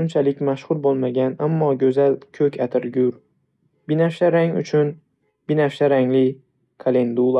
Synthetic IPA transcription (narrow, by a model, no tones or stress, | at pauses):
ʊnt͡ʃʰalɪkʲmaʃχʊɾbolˠmaɡʲanamːɒɡʲɵzalkʲʰɵkʲʰat̪ʰɪɾɡʲʊɾ | bɪnafʃaɾaŋʊ̰t͡ʃʰʊn | b̥ɪnafʃaɾaŋlɪ | kʰalend̪ulˠa